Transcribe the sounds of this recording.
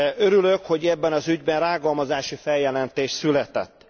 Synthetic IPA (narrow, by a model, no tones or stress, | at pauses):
øɾylø̞kho̞ɟɛbːɛnɒzyɟbɛnraːɡɒlmɒzaːʃifɛljɛlɛnt̪eːʃt̪sylɛt̪ɛ̰t̪ː